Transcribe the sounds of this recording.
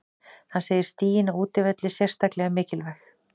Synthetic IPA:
hanseːjɪɾ̥st̪iːjɪnauːt̪ɪvɛt̪lɪsjɛr̥st̪aklɛɣamɪːcɪlvɛx

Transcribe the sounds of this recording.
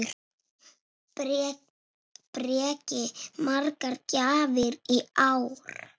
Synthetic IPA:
pɾɛːcɪmarkaɾcaːvɪɾiaːwɾ̥

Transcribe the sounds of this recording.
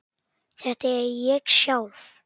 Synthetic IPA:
θɛht̪aɛɾjɛɣsjaːwv

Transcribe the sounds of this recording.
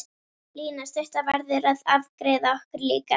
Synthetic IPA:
liːnast̪œst̪avaɾðɪɾaðavkɾɛːðaɔhkʏɾliːka

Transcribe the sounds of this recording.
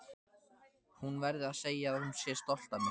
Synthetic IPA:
hunvɛɾðɪaðseːjaːðhʏmsjɛst̪ɔl̥t̪amɪ

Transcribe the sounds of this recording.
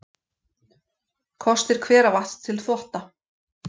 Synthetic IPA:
kʰɔst̪ɪɾ̥kʰvɛːɾavast̪ʰːɪlθɔht̪a

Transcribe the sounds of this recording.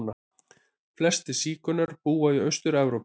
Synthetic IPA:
na | flɛst̪ɪsiːkʏnaɾ̥puːaiœɥst̪ʏɾɛvɾowp

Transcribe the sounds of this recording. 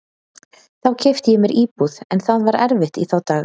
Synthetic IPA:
θawcʰɪft̪ɪjɛmɛɾʔiːpuðɛnθaðvaɾɛɾvɪht̪iθawt̪aːɣ

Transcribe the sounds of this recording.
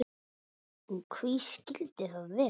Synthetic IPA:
ɔɣkʰviscɪlt̪ɪθaðvɪ

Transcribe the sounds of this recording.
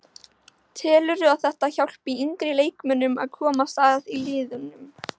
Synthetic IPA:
t̪ʰɛːlʏɾʏawθɛht̪açawl̥piiŋkɾɪleːjkmʏnʏma̰ðkʰɔːmast̪aːðiliːðʏnːʏm

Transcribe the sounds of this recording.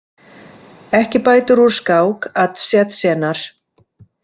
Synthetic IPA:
ɛhcɪpaːjt̪ʏɾuɾ̥skaːwkat̪sjɛt̪sɛːnaɾ̥

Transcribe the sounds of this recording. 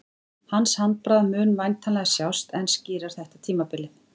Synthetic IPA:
hanshant̪̚pɾaðmʏːnvajnt̪ʰanlɛɣasjawst̪ɛnsciːɾaɾ̥θɛht̪at̪ʰiːmapɪlːɪ

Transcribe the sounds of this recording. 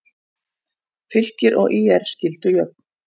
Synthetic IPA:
fʏl̥cɪɾʔɔ̰ɣʔiːɛɾ̥scɪlt̪ʏjœp̚n̥

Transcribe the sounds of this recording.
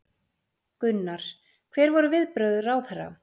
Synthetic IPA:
kʏnːaɾ̥ | kʰvɛːɾvɔɾʏvɪðpɾœɥðʏɾawθɛrːa̰

